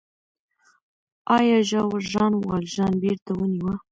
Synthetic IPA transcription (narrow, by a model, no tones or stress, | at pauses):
ɑjɑʒɑwʒɑnwɑ̰lʒɑnbeɾt̪awəniwa